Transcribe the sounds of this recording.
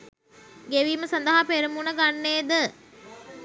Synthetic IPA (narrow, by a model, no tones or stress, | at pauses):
ɡeʋiːməsand̪əɦapeɾəmunəɡanːeːd̪ə